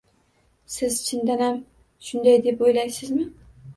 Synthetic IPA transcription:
sɪzt͡ʃʰɪnd̪anham | ʃʊnd̪ajd̪epojlajsɪzmɪ

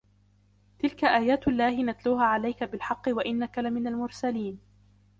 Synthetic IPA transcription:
t̪ɪlkaʔaːjaːt̪ʔalːaːhɪnat̪luːhaːʕalajkabɪlħɑqːɨwaʔɪnːakalamɪnalmʊɾsaliːn

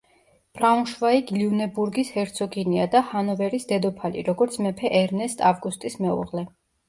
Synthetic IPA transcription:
b̥ɾaunʃvaiɡliunɛbuɾɡishɛɾt̪sʰɔɡiniad̪ahanɔvɛɾisd̪ɛd̪ɔpʰalḭɾɔɡɔɾt̪sʰmɛpʰɛʔɛɾnɛst̪ʼavɡust̪ʼismɛṵʁlɛ

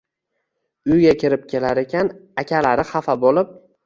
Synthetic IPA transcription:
ʊjɡʲakʲʰɪɾɪp̚kʲʰe̞laɾe̞kʲanakʲʰalaɾɪχafabolɪp̚

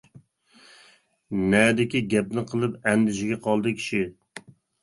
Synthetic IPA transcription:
nɛd̪ɪkʲiɡʲɛp̚nɪqʰəlˠɨpɛnd̪ɪʃɪɡʲɛqʰɑlˠd̪ɨkʲʰi̥ʃi

